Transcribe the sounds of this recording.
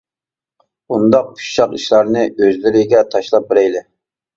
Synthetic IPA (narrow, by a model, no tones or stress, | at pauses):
und̪ɑq̚pʰu̥ʃʃɑqiʃlˠɑɾnɨøzlɪɾɪɡʲɛt̪ʰɑʃlˠɑp̚bɪɾɛjlɪ